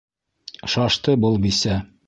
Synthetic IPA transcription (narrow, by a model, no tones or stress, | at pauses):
ʃɑʃt̪ɤbɤlˠbisæ